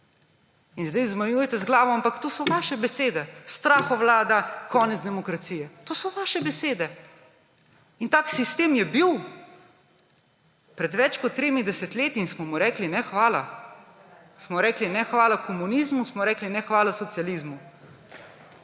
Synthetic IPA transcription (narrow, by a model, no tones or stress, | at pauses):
inzd̪ɛjzmajujɛt̪ɛzɡlaːʋɔampakt̪oːsɔʋaːʃɛbɛseːd̪ɛst̪ɾaːxɔʋlaːd̪akɔːnɛd̪zd̪ɛmɔkɾat̪siːjɛt̪oːsɔʋaːʃɛbɛseːd̪ɛ | int̪aːksist̪eːmjɛbiw | pɾɛd̪ʋɛt͡ʃkɔt̪ːɾeːmid̪ɛsɛt̪leːt̪iːnsmɔmuɾɛːklinɛxʋaːla | smɔɾɛːklinɛxʋaːlakʰɔmunizmusmɔɾɛːklinɛxʋaːlasɔt̪sjalizmu